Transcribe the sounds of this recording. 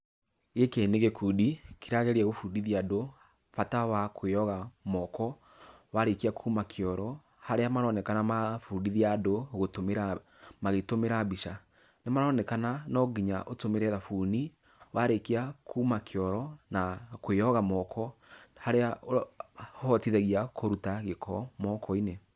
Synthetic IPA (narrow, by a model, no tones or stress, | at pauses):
ekeneɣekudikiɾaɣɛɾiɛɣofudiðiado | fatawakʰojɔɣamɔkɔ | waɾekiakʰumakʰjɔɾɔ | haɾeamaɾɔnɛkanamafudiðiadoɣotomeɾa | maɣetomeɾabiʃa | nemaɾɔnɛkananɔɡiɲaʔotomeɾɛðafuːni | wʔaɾekakʰuːmakʰeɔɾɔnakoejɔɣamɔkʰɔhaɾeaohɔtiðɛɣiakʰoɾutaɣekʰɔmɔkʰɔine